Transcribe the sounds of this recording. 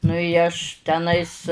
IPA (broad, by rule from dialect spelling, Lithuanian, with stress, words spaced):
nʊ ɪ ˈɐʃ tʲɛˈnɐɪs